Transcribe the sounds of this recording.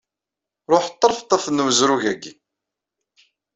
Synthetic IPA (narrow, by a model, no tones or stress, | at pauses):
ɾˤoħt̪ˤːəɾˤft̪ˤːəθnəməzɾuʝæɡi